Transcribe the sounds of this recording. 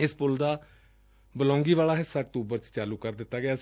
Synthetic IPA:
ɪspʊld̪aː | bəlɔ̃ːŋɡiːʋaːlaːɦɪsːaːk̚t̪uːbəɾt͡ʃt͡ʃaːluːkəɾd̪ɪt̪ːaːɡɪaː

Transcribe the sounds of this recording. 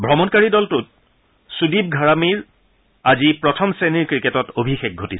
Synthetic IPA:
bʱɹɔmɔnkaɹidɔltʊt̚ | sudib̚ɡʱaɹamiɹ | azipɹɔtʰɔmseniɹkɹiketɔtobʱixex̚ɡʱotisɛ̥

